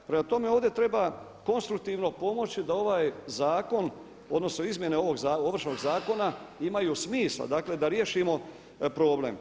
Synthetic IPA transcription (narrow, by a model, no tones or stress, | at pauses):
pɾemat̪o̞me̞oːʋd̪jet̪ɾe̞ba | ko̞nst̪ɾuk̚t̪iːʋno̞po̞mo̞t͡ɕid̪ao̞ʋaːjzaːko̞n | o̞d̪no̞sno̞izmje̞ne̞o̞ʋo̞ɡzaoʋr̩ʃno̞ɡzaːko̞naimajusmiːslˠa̰d̪akle̞d̪aɾje̞ʃimo̞ | pɾo̞ːble̞̰m